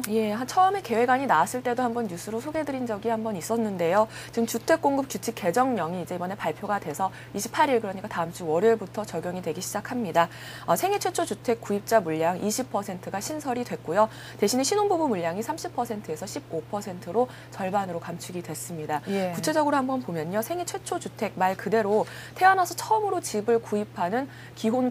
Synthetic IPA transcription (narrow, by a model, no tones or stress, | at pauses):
je̞at͡ɕʰʌʌme̞ke̞we̞ɡaɲinaas͈ɯɭt͈e̞dohambʌnjusʰɯɾosʰoɡe̞dɯɾind͡ʑʌɡihambʌnis͈ʌnːɯnde̞jo | t͡ɕiɯmt͡ɕutʰe̞k̚k͈oŋɡɯp̚kjut͡ɕʰik͈ːe̞d͡ʑʌŋɲʌŋiːd͡ʑe̞ibʌne̞paɭpʰjoɡadwe̞sʰʌ | iɕʰipʰaɾiɭkɯɾʌɲik͈ataɯmt͡ɕ͈ʰuwʌɾebutʰʌt͡ɕʌɡjoŋidwe̞ɡiɕʰid͡ʑakʰamɲida | ʌsʰe̞ŋet͡ɕʰwet͡ɕʰot͡ɕutʰe̞k̚k͈uip̚t͡ɕ͈amuʎjaŋʔiɕʰipʰʌsʰe̞ntʰɯɡaɕʰinsʰʌɾidwe̞k̚k͈ojo | te̞ɕʰineɕʰinonbubumuʎːjaŋisʰamɕʰipʰʌsʰe̞ntʰɯe̞sʰʌɕʰib̚opʰʌsʰe̞ntʰɯɾo | t͡ɕʌɭbanɯɾokamt͡ɕʰuɡidwe̞s͈ɯmɲidakut͡ɕʰe̞d͡ʑʌɡɯɾohambʌnpomjʌɲʌsʰe̞ŋet͡ɕʰwe̞t͡ɕʰot͡ɕutʰe̞k̚maɭkɯde̞ɾo | tʰe̞anasʰʌt͡ɕʰʌɯmɯɾot͡ɕibɯɭkuipʰanɯn | kiɦon